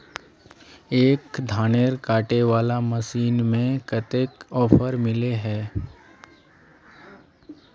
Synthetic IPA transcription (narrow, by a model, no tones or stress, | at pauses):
eːkd̪ʱaːneːɾkaːʈeʋaːlaməsiːnmẽkət̪ekɔːpʰəɾmɪleɦɛː